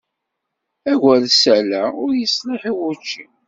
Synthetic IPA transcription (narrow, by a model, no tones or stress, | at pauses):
æʝælsælæʊɾjəsleħiwʊt͡ʃːi